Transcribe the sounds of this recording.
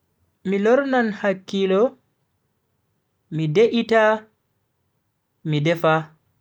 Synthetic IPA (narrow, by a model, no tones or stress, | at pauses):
milɔɾnanhakːilɔ | mideʔita | midɛfa